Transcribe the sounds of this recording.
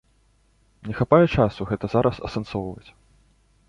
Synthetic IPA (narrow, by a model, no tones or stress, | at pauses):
nʲɛxapajɛt͡ʂasuɣɛt̪ɐzaɾʔɐsɐ̰sɐnsɔwvɐt͡sʲ